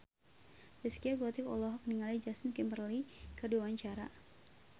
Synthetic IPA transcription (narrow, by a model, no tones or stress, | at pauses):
rɛskiaɡɔt̪ikɔlɔɦɔk̚niŋalid͡ʒasinkɛmbərlikərduawaɲt͡ʃaɾa̰